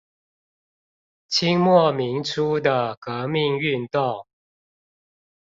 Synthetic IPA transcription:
t͡ɕʰi˥ŋmwɔ˥˨mi˨˦˥ŋʈ͡ʂʰu˦d̪ə˨kɤ˧˦mi˥˧ŋy˥˧nt̪o˥˨˩ŋ

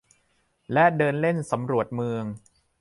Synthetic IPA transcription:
lɛ˦˥dɤː˧nle˥˩nsa˩˦mɾu˨˩ət̪̚mɯ˧əŋ

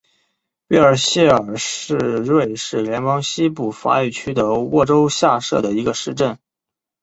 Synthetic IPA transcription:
wi˥˩ə˞˨˩ɕjɛ˥˩ə˞˨˩ʂɻ̩˥˧ɻwe˥˧˩ɪʂɻ̩˥˩ljɛ˧˥npɑ˥ŋɕi˥pu˥˩fa̰˧˥y˨˩t͡ɕʰy˥t̪ɤ˧˥wɔ˥˩ʈ͡ʂo˥ʊɕja˥˧ʂɤ̰˥˩d̪ə˩i˧˥ɡə˧ʂɻ̩˥˧ʈ͡ʂə˥˩n

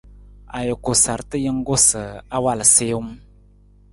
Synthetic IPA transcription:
a˨jə˨ko˨sa˨ɾtɨ˦jə˦ŋ˦ɡo˦sə˨a˦wa˦lseː˦wu˦m˦

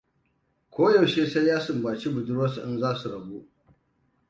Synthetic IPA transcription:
kʷoː˦ja˨wʃeː˦sa˦jːaː˦sʊ˨mbaː˨t͡ʃi˦bʊ˨dʊ˦ɾwɐ˦sṵ˨ʔɪ˦nzaː˦su˨ɾɐ˨bu˦ʔ

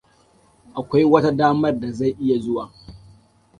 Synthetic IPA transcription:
ʔa˨kʷa˦jwɐ˦ta˦daː˦mɐ˦rda˨za˦˨jʔɪ˦ja˨zʊ˦waː˨

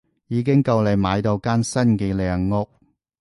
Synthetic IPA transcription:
jiː˨˧k̬ɪ˥ŋkɐ˧wle˨˩jmaː˨˧jt̪o˧wkaː˥nsɐ˥nkɛː˧lɛː˨˩ŋːʊ˥˧k̚

